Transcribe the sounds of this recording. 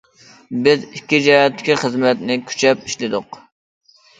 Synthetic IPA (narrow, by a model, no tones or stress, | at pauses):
bɪzikʲːid͡ʒɛjɛt̪ʰːɪ̥kʲiχəzmɛt̪nɪkʲʰy̥t͡ʃʰɛpiʃlɪd̪ʊq